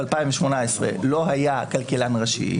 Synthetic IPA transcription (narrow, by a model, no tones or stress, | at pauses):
alpajĩmveʃmo̞naesʁḛlo̞ɦajakalkelanʁaʃḭ